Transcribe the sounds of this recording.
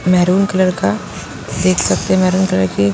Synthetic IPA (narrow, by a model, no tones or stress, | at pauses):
mɛɦɾuːnkɐləɾka | d̪eːkʰsɐk̚t̪eɦɛ̃mɛɦɾuːnkɐləɾke